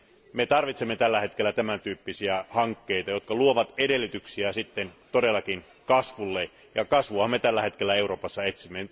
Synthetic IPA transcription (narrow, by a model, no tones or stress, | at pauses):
met̪ɑrʋit̪semːet̪ælːæhe̞t̪k̟elːæt̪æmænt̪yːpːisiæhɑŋkːe̞it̪ɑjo̞t̪kɑluoʋɑt̪edelːit̪yksiæsit̪ːent̪odelːɑkin | kɑsʋulːe | jɑkɑsʋuhɑmːet̪ælːæhe̞t̪k̟elːæe̞uɾo̞ːpɑsːɑet̪simːen